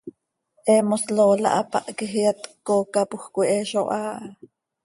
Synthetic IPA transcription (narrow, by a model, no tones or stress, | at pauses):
ʔemosloːlɑ̰ʔapɑ̰ʔkiɦjat̪kokapuxkʷiʔeʃoʔaːʔ